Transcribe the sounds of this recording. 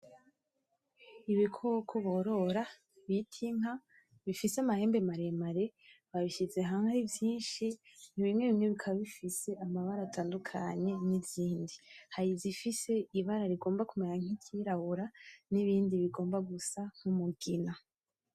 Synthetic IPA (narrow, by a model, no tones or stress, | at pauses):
iβikʰokʰoβoɾo̞ɾa | βitʰiŋ̥a | βifiseamahe̞ːmbe̞maɾe̞maɾe̞βaβiʃize̞ɦaŋaɾivjiːnʃiniβimŋe̞βimŋe̞βikʰaβaβifise̞ʔamaβaɾaːtʰaːndukʰa̰ɲe̞niziːndihaɾizifise̞iβaɾaɾiɡo̞ːmbakumeɲaŋ̥icʰiɾahuɾaniβiːndiβiɡo̞ːmbaɡusaŋ̥umuɡina